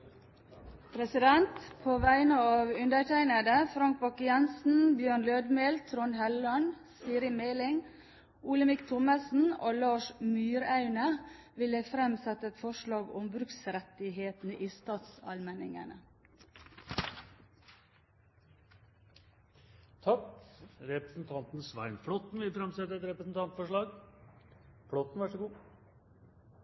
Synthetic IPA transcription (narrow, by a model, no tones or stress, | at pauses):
pʰɾɛsɪd̪ɛnt̪pʰoːʋæɪənəɑːʋʉnd̪əʈʰæɪnəd̪əfɾɑŋk̚bɔkəjɛnsn̩bjøːɳløːd̪meːlt̪ʰɾɔnhɛlɔɳsiːɾɪmeːlɪŋ | ʔuːləmɪkt̪ʰʊməsn̩oːlɑːʃmyːɾɑʉnə | ʋɪləfɾɛmsɛt̪əɛt̪fɔʃɭɑːɡʊmbɾʉksɾɛt̪ɪɦeːt̪n̩əʔiːst̪ɑːt̪sɑ̰lmɛnɪŋə̰nə | t̪ʰɑkɾɛpɾɛsn̩t̪ʰɑnt̪nsʋæ̰ɪnfɽɔt̪n̩ʋɪfɾɛmsɛt̪ːəɾɛt̪ɾɛpɾəsn̩t̪ʰɑnt̪fɔʂɭɑːɡ | fɽɔt̪n̩ʋæʂɔɡuː